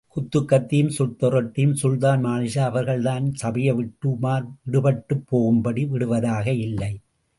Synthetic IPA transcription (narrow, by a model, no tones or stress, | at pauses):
kʊt̪ːɯkːɐt̪ːɪjɯmsʊt̪ːɔɾɐʈːɪjɯmsʊlt̪aːnmaːnɪʃaɐʋɐɾɣɐɭt̪aːnsɐbɪjɐʋɪʈːɯmaːɾʋɪɽɯpɐʈːɯpːoːɣɯmbɐɽiʋɪɽɯʋɐðaːɣɐɪlːɐɪ